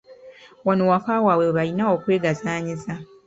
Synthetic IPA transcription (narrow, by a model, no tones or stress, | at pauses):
wanowakawaweweβaɾinaokwe̞ːɡazaːɲiza